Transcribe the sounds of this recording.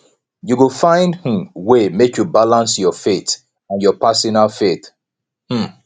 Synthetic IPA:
juɡəfãɪ̃ndhĩmwemekjubalãnsjɔfet | ãnjɔpasɔnalˠfet | hm̩

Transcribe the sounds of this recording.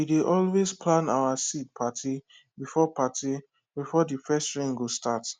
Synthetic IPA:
wideʔɔlwezpʰlãna̰ʊwasit̚pʰatʰi | bifɔpʰatʰi | bifɔdifɛstɹẽŋɡostat

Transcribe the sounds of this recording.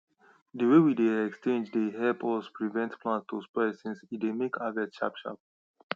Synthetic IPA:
dəwewideɛkst͡ʃẽnd͡ʒdeɦɛlpʰɔspɹivɛ̃ntpʰlãnstospɔsĩnsidemekʰavɛtʃa̰pʃa̰p

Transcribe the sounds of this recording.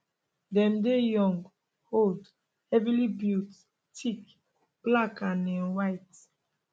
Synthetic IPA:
dɛ̃mdejɔ̃ŋɡ | hold | hɛvilibjut | tʰik | b̥lakãnɛ̃nwaɪt

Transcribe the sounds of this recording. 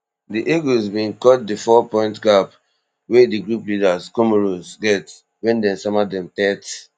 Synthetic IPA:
diʔeɡuzbĩnkɔt̚difɔpɔ̃ɪ̃ntɡap | wediɡɹuplidaskomoɹozɡɛt | wɛ̃ndɛ̃nsamadɛ̃mtɛt

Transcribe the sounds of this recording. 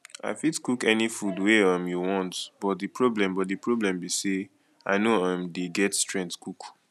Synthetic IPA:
a̰ɪfitkukɛnifudweamjuwɔ̃ntbɔt̚dipɹɔblɛ̃mbɔtdipɹɔblɛ̃mbise | aɪnoãmdeɡɛtstɹɛ̃ntkuk

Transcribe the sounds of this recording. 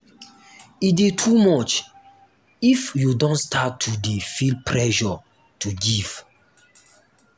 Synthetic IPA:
idetʰumɔt͡ʃ | ifjudɔ̃ntstʰatʰːudefilpʰɹɛʃɔ | tʰuɡiv̥

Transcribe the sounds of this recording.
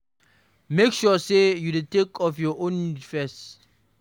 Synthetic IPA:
mekʃɔsejudetekʰɔfjɔʔõnfɛst

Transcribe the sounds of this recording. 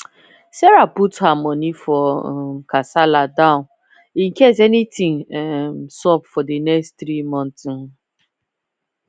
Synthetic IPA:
sɛɾaputhamɔnifɔmkasaladãʊ̃n | ĩŋ̩kes̬ɛnitĩŋ | sɔpfɔdenɛksttɾimɔ̃nt

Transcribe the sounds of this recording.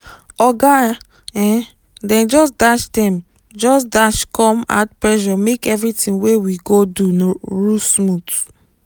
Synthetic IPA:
ɔɡa | ɛ̃ | dɛ̃nd͡ʒɔs̬daʃdɛ̃m | d͡ʒɔsdaʃkɔ̃ma̰tpɹɛʃɔmekɛvɹitĩnwewiɡodunoɹusmut

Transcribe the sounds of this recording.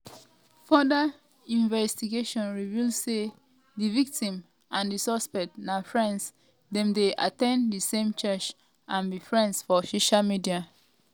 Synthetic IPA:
fɔda | ĩnvɛstiɡeʃɔ̃nɹivilsse | ðivik̚tĩm | ʔãndisɔspɛk̚tnafɹɛ̃ns | dɛ̃mdeʔa̰tɛ̃nddisẽmt͡ʃɛt͡ʃ | ʔãnðifɹɛ̃ndsfɔsoʃalmidia

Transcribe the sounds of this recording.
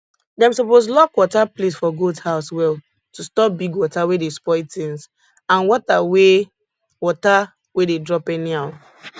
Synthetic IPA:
dɛãmsɔposlɔkwɔtaplesfɔɡoldhaʊswɛl | tustɔp̚biɡwɔtawedespɔɪtĩŋs | ãnwɔtawe | wɔta | wededɹɔpɛniaʊt

